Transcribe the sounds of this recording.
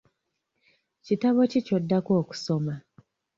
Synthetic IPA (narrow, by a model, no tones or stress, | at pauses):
citaβo̞cico̞dːako̞ːku̥so̞ma